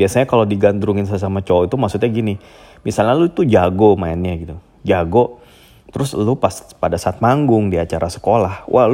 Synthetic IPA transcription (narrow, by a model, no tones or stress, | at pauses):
biasaɲakalodiɡandɾuŋɪns̬ajas̬amat͡ʃɔit̪umaksut̪̚ɲaɡini | misalɲaluit̪ud͡ʒaɡomaanɲaɡit̪u | d͡ʒaɡo | t̪əɾʊslupaspadasaːt̪̚maŋɡʊŋdiat͡ʃaɾʔasə̥kolahwʔa̰hl